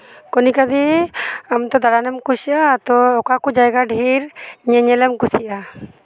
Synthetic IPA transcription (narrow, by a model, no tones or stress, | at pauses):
kɔnikad̪ɛamt̪ɔd̪aɽanɛmkusiʔat̪ɔɔkakud͡ʒajɡaɖʱiɾɲɛɲɛlɛmkusiʔa